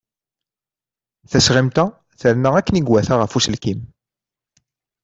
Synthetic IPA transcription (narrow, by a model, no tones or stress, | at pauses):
θæsʁimt̪æ | θəɾnaækːəniɡwæθaʁəfuslkim